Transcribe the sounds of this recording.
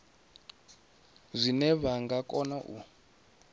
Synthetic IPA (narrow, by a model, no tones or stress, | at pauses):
zʷinɛβaŋɡakʼɔnaʔu